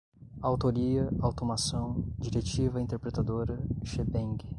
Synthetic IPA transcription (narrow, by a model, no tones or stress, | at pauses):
awt̪oɾiɐawt̪omasɐ̃w̃d͡ʒiɾet͡ʃivɐĩnt̪eɾpɾet̪ad̪oɾɐʃebẽŋɡɪ